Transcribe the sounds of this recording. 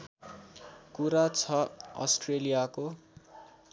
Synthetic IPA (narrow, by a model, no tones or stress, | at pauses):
kuɾat͡sʰʌʌ̰sʈrelijako